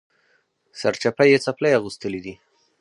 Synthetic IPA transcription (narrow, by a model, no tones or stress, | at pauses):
saɾt͡ʃapajet͡saplejaɣust̪əlid̪i